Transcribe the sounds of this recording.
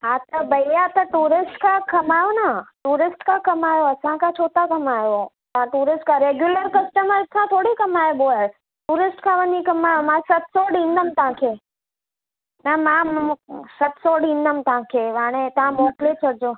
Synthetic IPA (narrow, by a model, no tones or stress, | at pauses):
at̪obəjeat̪ãʈuɾɪsʈkãkəmajonaʈuɾɪsʈkãkəmajoəsãkãt͡ʃʰoːt̪akəmajo | t̪ãʈuɾɪsʈkãɾeɡjuləɾkəsʈəməɾsãt̪ʰoɽikəmajeboa | ʈuɾɪsʈkʰãʋənikəmajõmãsət̪soɽĩnːəmt̪ãkʰe | nãmã | sət̪soɽĩnːəmt̪ãkʰeʋaɽ̃et̪ãmoːʈlet͡ʃʰəɾd͡ʒo